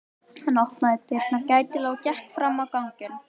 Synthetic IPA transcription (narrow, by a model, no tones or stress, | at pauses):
ɛnɔhknaɛt̪ɪɾt̪nacaːjt̪ɪlɔːɣcɛhkfɾamːawkawŋcʏn